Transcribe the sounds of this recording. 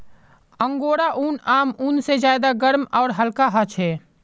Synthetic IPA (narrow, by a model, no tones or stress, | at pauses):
ə̃ŋɡoːɽaʔuːnaːmuːnsed͡ʒjaːd̪aɡəɾmɔːɾɦəlkaɦət͡ʃʰɦɛː